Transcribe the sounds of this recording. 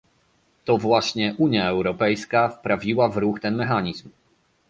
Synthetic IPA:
t̪ɔvwaɕɲɛʔuɲjaɛwɾɔpɛjskafpɾavʲiwavɾuxt̪ɛnmɛxaɲizm

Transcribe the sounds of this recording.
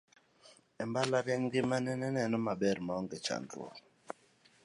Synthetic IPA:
ɛmbalaɾɛŋɡimanɛnɛnɛnɔmaɓɛɾimaɔŋɡɛt͡ʃa̰ntṵɔ̰

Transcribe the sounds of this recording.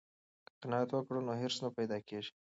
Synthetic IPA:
qɪnɑat̪wəkɽunoɦeɾsnapajd̪ɑkeʒi̥

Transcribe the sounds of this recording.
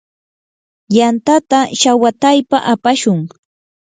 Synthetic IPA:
jant̪at̪aʃawat̪ajpaʔapaʃʊŋ

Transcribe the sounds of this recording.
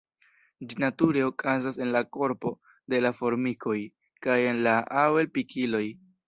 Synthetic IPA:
d͡ʒinatuɾe̞o̞kʰazase̞nlako̞ɾpo̞ | de̞lafo̞ɾmikʰo̞j | kaje̞nlaʔawelpikilo̞j

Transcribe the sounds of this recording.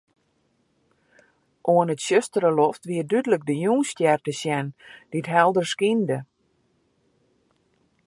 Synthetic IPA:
ʔoənətsøstəɾəlɔftʋiədydələk̚dəjuːnstjɛrtəsjɛnd̥iətɦɛlˠdərskində

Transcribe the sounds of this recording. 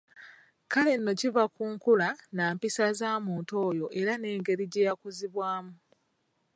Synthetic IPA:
kale̞nːo̞civakuːŋkulanaːmpisazaːmuːnto̞ːjo̞ʔe̞ɾane̞ːŋɡe̞ɾiɟe̞ːjakuziβwaːmu

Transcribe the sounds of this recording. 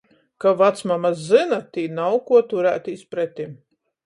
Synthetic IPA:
kavat̪smamaszɨnat̪iːnawkuɔt̪uɾæːt̪ispɾɛt̪ʲim

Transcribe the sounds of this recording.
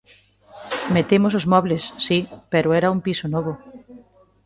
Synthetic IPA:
met̪emos̬ozmɔβlesːipeɾoɛɾaumpisonɔβo

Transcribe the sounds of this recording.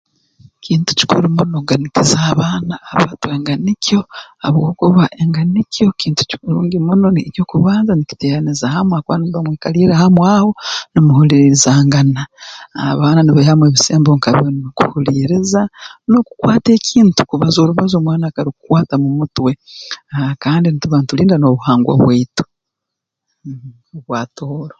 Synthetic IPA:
cʰiːntu̥ci̥kʰuɾumunoɡanikizaːβaːnaːβaːtue̞ːŋɡanikjo̞a̰βwokuβaʔe̞ŋɡanico̞kiːntu̥ci̥kuɾuːŋɡimuno̞nico̞ːkuβaːnzaniki̥teɾanizahamwaːkwaniβamwekaliːɾahamwaːho̞nimuhuliːɾiɾizaːŋɡanaa̰βaːnaniβehamweβiseːmboŋkaβionokuhuliɾizano̞ku̥kwaːte̞ːcʰiːntu̥kuβazo̞ːɾuβazomwaːnakaɾikukwaːtamumutwe̞ | kaːndinituβaːntuliːndano̞βuhaːŋɡwa̰βwetu̥ | oβwaːtoːɾo

